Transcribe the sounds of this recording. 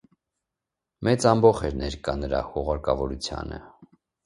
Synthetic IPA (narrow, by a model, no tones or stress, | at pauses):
mɛt͡sɑmbɔχɛɾnɛɾkɑnəɾɑ̰huʁɑɾkɑvɔɾut͡sʰjɑ̰nə̰